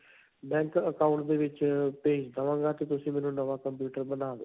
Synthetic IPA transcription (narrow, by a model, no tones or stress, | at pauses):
bɛ̃ːŋkəkaːʊɳʈd̪eːʋɪt͡ʃpeːd͡ʒd̪əʋãːŋɡaːt̪eːt̪ʊsĩːmɛ̃ːnũːnəʋaːkəmpjuːʈəɾbənaːʋeː